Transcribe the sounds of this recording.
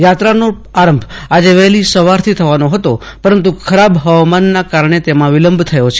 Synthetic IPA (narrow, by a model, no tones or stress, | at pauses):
jat̪ɾano | aɾəmbʱad͡ʒeʋɛɦlisəʋaɾt̪ʰit̪ʰəʋanoɦət̪o | pəɾənt̪ukʰəɾabɦəʋmanːakaɾɳ̃et̪emãʋɪləmbʱt̪ʰəjot͡ʃʰe